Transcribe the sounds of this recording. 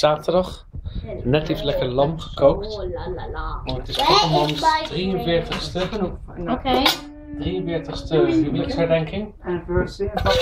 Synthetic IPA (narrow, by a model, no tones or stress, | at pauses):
z̥aːtəɹdɑχ | nɛteflɛkəɹlɑmχə̥kowkt | ʋɔnətɪsfɔɔmɔnsdrijənvɪːɹtəχstəkənɔp | okej | drijə̃nvɪːɹtəχstəəmɪdɑkshɛɹdɛŋkɪŋ